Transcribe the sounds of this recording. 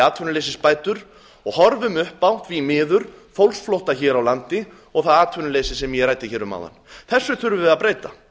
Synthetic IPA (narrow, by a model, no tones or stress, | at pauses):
aːt̪ʰʏnlejsɪspaːjt̪ʏɾ | ɔɣhɔɾvʏmʏhpːawt̪vimɪːðʏɾ̥fowlsflowht̪açɛːɾawlant̪ɪ | ɔɣθaðaːt̪ʰʏnʏlejsɪsɛmjɛɾaːjt̪ɪçɛːɾʏma̰wða̰nθɛsːʏθʏɾvʏvɪðaðpɾeːjt̪a